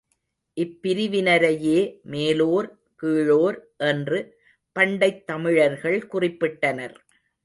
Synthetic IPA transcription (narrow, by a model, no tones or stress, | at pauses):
ʔɪpːɪɾɪʋɪnɐɾɐjeːmeːloːɾ | kiːɻoːɾʔɛndrɯ | pɐɳɖɐɪt̪ːɐmɪɻɐɾɣɐɭkʊrɪpːɪʈːɐnɐɾ